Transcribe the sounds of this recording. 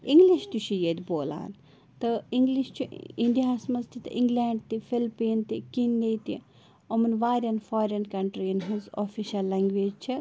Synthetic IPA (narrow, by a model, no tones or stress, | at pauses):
ĩŋɡliʃt̪uʃʰijed̪boːla̰ːn | t̪ɐiŋɡliʃt͡ʃʰuiɳɖijaːsmɐzt̪it̪ɐ̰ʔiŋɡlaːɳɖt̪ifilpiːnt̪ikinːejt̪i | omɐnʋaːɾʲɐnfoːɾɐnkɐɳʈɾiinɦɐzoːfiʃɐlːaːŋɡʋeːd͡ʒt͡ʃʰi